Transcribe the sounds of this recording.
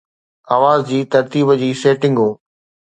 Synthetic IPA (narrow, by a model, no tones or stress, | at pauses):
aːʋaːzd͡ʑiːt̪ɐɾt̪iːbd͡ʑiːseːʈɪ̃ŋɡɦoː